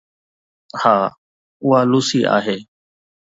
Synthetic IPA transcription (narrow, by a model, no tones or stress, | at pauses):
haː | ʊɦaːluːsiːʔa̰ːɦeː